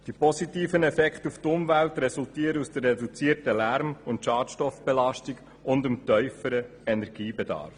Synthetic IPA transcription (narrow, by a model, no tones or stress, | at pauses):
d̥ipɔsitiːfənɛfɛkχtuftʊmvæltɾɛsultiːəɾəusd̥̪ərːɛdut͡siːəɾtəlæɾmʊntʃɑːtʃtɔfb̥ɛlɑʃtiɡ | ʊndəmtœʏfəɾə | ɛnɛɾɡiːbɛdɑ̰ːɾf